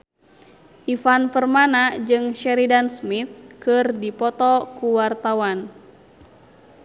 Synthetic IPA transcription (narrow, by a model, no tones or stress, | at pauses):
ʔifanpərmanad͡ʒɨŋʃɛɾidansmit̪̚kɨrdipɔt̪ɔkuwart̪awan